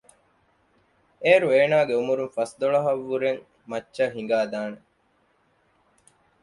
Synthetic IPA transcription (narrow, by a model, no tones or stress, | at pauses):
eːɾueːnaːɡeumuɾunfɐsd̪oɭɐɦɐʋːuɾeŋ | mɐtːʃɐɦiŋɡaːd̪aːne